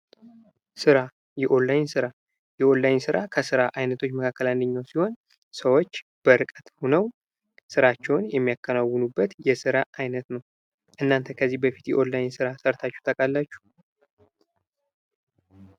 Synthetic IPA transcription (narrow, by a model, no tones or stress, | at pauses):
sɨɾa | jɛʔo̞nlːajnsɨɾa | jɛʔo̞nlajnsɨɾʔakʰəsɨɾaʔajnət̪ʰot͡ʃːməkʰakːəlanːɨɲːawsiho̞n | səwo̞t͡ʃːb̥əɾɨkʼət̪honəw | sɨɾat͡ʃːɛwnjɛmːijakːənawːɨnubːət̪jɛsɨɾaʔajnət̪nəw | ʔɨnːant̪ʰəkʰəzːibəfit̪jɛ̰ʔo̞lːajnsɨɾasəɾt̪ʰat͡ʃːɛ̥wt̪ʰəkʼalːat͡ʃːu̥